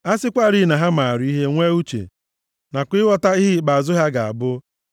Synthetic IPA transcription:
a˦sɪ˦kʷa˦˨ɾi˦˨na˨ɦa˦ma˨ɾi˦ɦe˦ŋʷe˦u˦t͡ʃḛ˨ | na˨kʷɪ˦wɔ˦ta˦i˦ɦɪ˦˨k͡pa˨a˨zʊ˦ɦa˦ɡa˨a̰˨bʊ˦

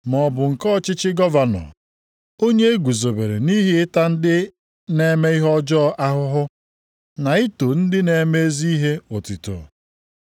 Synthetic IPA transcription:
mɔ˨bʊ˨ŋ̩˨kɔ˦t͡ʃɪ˦t͡ʃɪ˦ɡɔ˦va˨nɔ̰˨ | o˦ɲe˦e˦ɡʷu˨zo˨be˨ɾe˨ni˦ɦɪ˦ɪ˦ta˦n̩˦dɪ˦ | ne˦me˦i˦ɦɔ˦d͡ʒɔ˦ʔa˦ɦʊ˦ɦʊ˦ | na˨i˦to˨n̩˦dɪ˦ne˨˦me˦e˦zi˦i˦ɦe˦ʊ˨tɪ˨tʊ̰˨

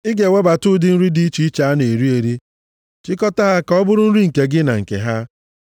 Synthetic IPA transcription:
ɪ˦ɡe˨we˦ba˨tʊ˦dɪ˦n̩˦ɾi˦di˦t͡ʃi˦i˦t͡ʃa˨a˦ne˨ɾi˦e˨ɾi˦ | t͡ʃɪ˦kɔ˦ta˦ɦa˦kɔ˦bʊ˦ɾʊ˦n̩˦ɾi˦ŋ̩˨ke˨ɡɪ˦na̰˨ŋ̩˨kḛ˨ɦa˦

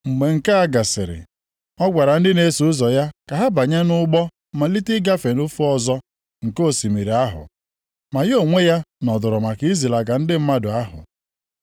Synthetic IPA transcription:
ŋ͡m̩˨ɡ͡be˨ŋ̩˨ka˦a˦ɡa˨sɪ˨ɾɪ̰˨ | ɔ˦ɡʷa˨ɾa˨n̩˦dɪ˦ne˦su˨ʊ˦zɔ˨ja˦ka˨ɦa˦ba˨ɲa˦nʊ˦ɡ͡bɔ˦ | ma˨li˦tɪ˦ɡa˦fe˨nʊ˦fu˦ɔ˦zɔ˦ | ŋ̩˨ko˦˨si˨mi˨ɾi˨a˦ɦʊ̰˨ | ma˨jo˨ŋʷe˦ja˦nɔ˨dʊ˨ɾʊ˨ma˨ki˦i˦zi˨la˨ɡa˨n̩˦dɪ˦m̩˦ma˦dʊ˨a˦ɦʊ̰˨

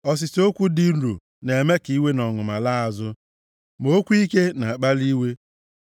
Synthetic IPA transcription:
ɔ˦s̬ɪ˨so˦kʷu˦di˦ɾṵ˨ | ne˨me˦ki˦we˦nɔ˨ŋʊ˨ma˨la˦a˨zʊ˦ | mo˦kʷi˦ke˦na˨k͡pa˦li˦we˦

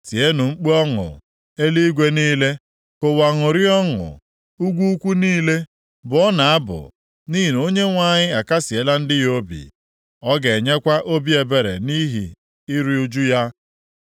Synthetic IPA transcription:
si˨e˦nʊ˨ŋ͡m̩˦k͡pe˦ɔ˦ŋʊ̰˨ | e˦li˦ɡʷe˦niː˦le˦ | ko˨wa˨ŋʊ˨ɾɪ˦ɔ˦ŋʊ̰˨ | u˦ɡʷu˦u˦kʷu˦niː˦le˦ | bʊ˨ɔ˦na˨a˦bʊ̰˨ | ni˦i˨no˦ɲe˦ŋʷa˦˨ɲɪ˦a˨ka˦si˨e˦la˦n̩˦dɪ˦jo˦bḭ˨ | ɔ˦ɡe˨ɲe˦kʷa˦ʔo˦bi˦e˨be˨ɾḛ˨ni˦ɦḭ˨ | i˦ɾi˦u˦d͡ʒu˦ja˦

